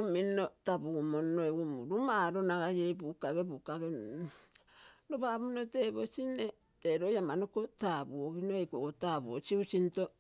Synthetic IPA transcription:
uminotabuɡumonːoeɡumṵɾumaɾonaɡajebukaɡebukaɡe | ɾobabunoteβosine | teɾojamanokotabuoɡinoejkokotabuot͡ʃiut͡ʃinto

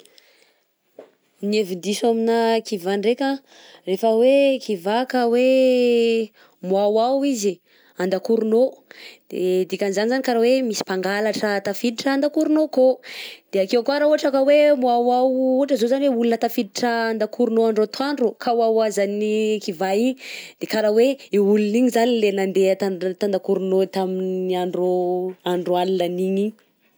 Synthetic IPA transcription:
nevind̪isuaminakivaɳɖ͡ʐekʲa | refəwekʰivakawe | muawawizi | and̪akuɾunod̪̥ed̪ikʲanizanizanikaɾawemisi̥paŋɡalaʈ͡ʂət̪afid̪iʈ͡ʂaand̪akuɾunokod̪̥eakewakoaɾauaʈ͡ʂakawemuawawuɦaʈ͡ʂəzozanweulunət̪afid̪iʈ͡ʂəːnd̪akʰuɾunoaɳɖ͡ʐot̪waɳɖ͡ʐukawawazanikivaiɲid̪̥ekaɾaweiuluniɲizanilenand̪et̪at̪and̪akuɾunot̪aminniaɳɖ͡ʐoaɳɖ͡ʐoalilaniɲi

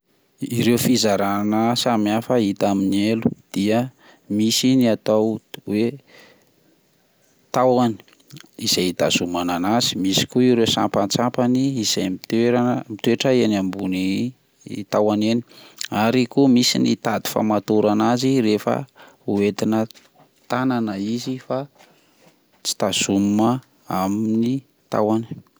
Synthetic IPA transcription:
iɾewfizaɾanəsamiafait̪aminelud̪̥iə | misiniat̪awwe | t̪awani̥ | iz̥ajit̪a̰zumananazi̥misi̥kuiɾewsa̰mpant͡sampaniːz̥ajmit̪eɾanəmit̪weʈ͡ʂəenambuni | t̪awaneni̥aɾikumisinit̪ad̪i̥fa̰mat̪uɾanaziɾefə̰ | uet̪inə | t̪ananəizifa | t͡si̥t̪az̥ummə | amini | t̪a̰wani̥

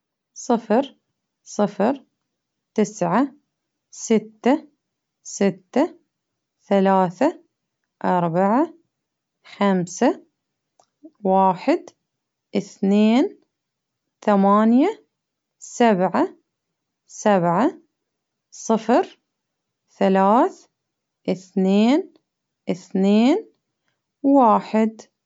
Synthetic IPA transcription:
sˤɨfɾ | sˤɨfɾ | t̪ɪsʕa | sɪt̪ːa | sɪt̪ːa | θalaːθa | ʔɑɾˤbaʕa | xamsa | waːħɪd̪ | ʔɪθneːn | θamaːnja | sabʕa | sabʕa | sˤɨfɾ | θalaːθ | ʔɪθneːn | ʔɪθneːn | waːħɪd̪

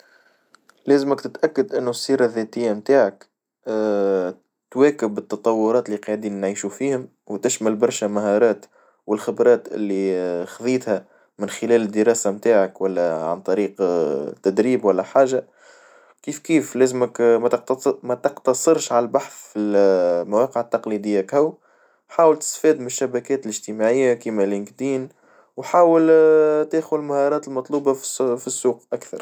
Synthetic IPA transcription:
læːzməkt̪ɪt̪ʔækːad̪ʔɪnːusˤːiːɾˤɑðɛːt̪ɪjːamt̪aːʕakː | t̪wæːkɪbɪt̪ːɑt̪ˤɑwːʊɾˤɑːt̪lːiqɑʕd̪iːnːʕiːʃufiːhʊm | wt̪ɪʃmælbɑɾˤʃæmaɦɑːɾˤɑːt̪ | wɪlxɪbɾˤɑːt̪ʔɪ̰lːixðˤiːt̪hæ | mɪnxɪlæːlɪd̪ːəɾɑːsamt̪aːʕakwælːæʕa̰nt̪ˤɑɾiːqt̪ːæd̪ɾiːbwælːæħaːʒa | kiːfkiːflæːzməkmæt̪q̚t̪mæt̪ɑqt̪ɑsˤɨɾʃʕalælbaħθfilmawɑːqəʕət̪ːɑqlid̪ɪjːakhæw | ħaːwəlt̪ɪ̥st̪fɛːd̪mɪnʃːæbækɛːt̪ɪlɪʒt̪imaʕɪjːakimælɪnkd̪iːn | wħaːwəlt̪æːxʊd̪lmahɑɾˤɑːt̪ɪlmɑt̪ˤluːbɑffisːuːqʔakθɑ̰ɾˤ

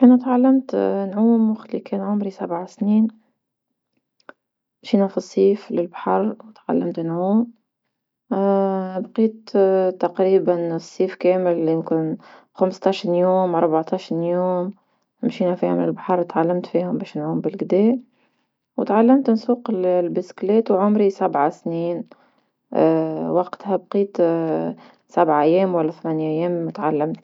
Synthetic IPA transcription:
ʔænæt̪ʕalːamt̪nʕuːmwaxt̪likɛːnʕʊmɾisabʕasniːn | mʃiːnæfisˤːiːflɪlbaħɑɾˤwt̪ʕa̰lːamt̪nʕuːm | bqiːt̪t̪ɑqɾiːbansˤːiːfkæːmɪlːinkuːn | xamst̪ˤɑʃnjuːmɑɾˤbaʕt̪ˤɑʃnjuːm | ɪmʃiːnæfiːhmnɪlbaħɑɾˤt̪ʕalːamt̪fiːhʊmbɛːʃnʕuːmbɪlɡd̪ɛː | wt̪ʕalːamt̪nsuːqɪllbɪsklɛːt̪wʕʊmɾisabʕasniːn | wɑqt̪hæbqiːt̪ | sabʕaʔæjːɛːmwalːæθmænjʔæjːɛːmt̪ʕalːamt̪

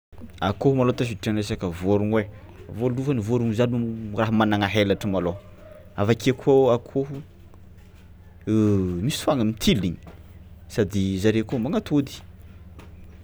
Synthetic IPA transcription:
akoɦumalot̪afiʈ͡ʂanesakəvoɾuŋwe | voluvənivoɾuŋzanuraɦamanaŋaɦelaʈ͡ʂəmalo | avakekʰuoakʰoɦu | mist̪faŋəmit̪ʰiliɲi̥ | sad̪izaɾekomaŋat̪ʰod̪i̥

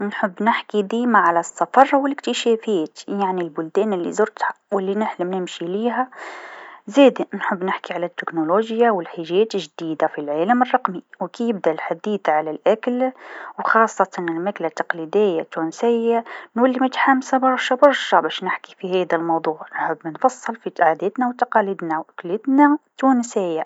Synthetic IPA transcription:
nħəbːnɪħkid̪iːmaʕalæsːɑfɑɾˤwɪlɪkt̪ɪʃɛːfæːt̪jaʕnilbʊld̪ɛːnɪlːḭzʊɾt̪hḁwɪlːinɪħlɪmnɪmʃiliːɦæ | zeːd̪inħəbːnɪħkiʕalæt̪ːɪknoloːʒjawɪlħaʒæːt̪ɪʒd̪iːd̪afilʕaːləmərˤːɑqmiwkijɪb̚d̪aʔlħad̪iːθʕalælʔæklwxɑːsˤːɑt̪ɑnɪlmaklat̪ːɑqlid̪ɪjːat̪ːuːnsɪjːanwalːimʊt̪ħamsabɑɾˤʃabɑɾˤʃabæːʃnɪħki̥fiɦɛːd̪almɑwd̪ˤuːʕnħəbːnfɑsˤːɨlfit̪ʕad̪ɛːt̪nawt̪ɑqɑliːd̪nawʔæklit̪næt̪unsɪjːa

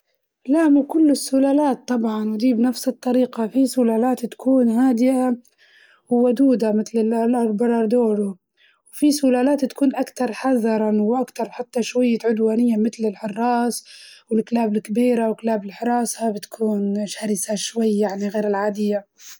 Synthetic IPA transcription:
laʔmakʊlːɪsːʊlaːlaːt̪ˤːɑbʕɑnwɪd̪iːbnafsɪt̪ˤːɑɾiːqafisʊlaːlaːt̪t̪ḁkʰuːnhaːd̪ɪja | wwad̪uːd̪amɪt̪lɪllʔɑɾbɑɾˤɑɾˤd̪oːɾʊ | wfisʊlaːlaːt̪t̪ḁkuːnʔakt̪ɑɾˤħɑðːɑɾˤɑwʔakt̪ɑɾˤħat̪ːaʃwajːaʕʊd̪waːnɪjːamɪt̪lɪlħɑrˤːɑːswɪlklaːbɪlkabiːɾawklaːbɪlħɪɾˤɑːshabɪt̪kʰuːnʃaɾɪsaʃwajːaʕniɣeːɾɪlʕaːd̪ɪjːa

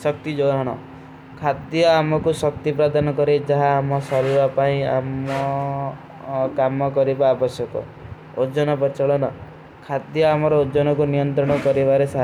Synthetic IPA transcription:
sɔkt̪id͡ʒoɦɔɽ̃ɔ̰ | kʰad̪jɔamɔkusɔkt̪ipɾad̪anɔkɔɾed͡ʒaɦaːmɔsɔɾibapaĩa̰mɔ | kamɔkɔɾibaːbɔsjɔkɔ̰ | od͡ʒɔnɔpɔt͡ʃɔɭɔnɔ | kʰad̪jɔamɔɾɔod͡ʒɔnɔkunijɔnt̪ɾɔɽ̃ɔkɔɾibaɾesa

